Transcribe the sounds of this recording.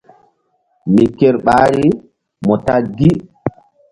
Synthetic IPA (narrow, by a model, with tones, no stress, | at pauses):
mi˨kːe˦ɾɓaː˦ɾi | mɔ˨ta˦ɡi˦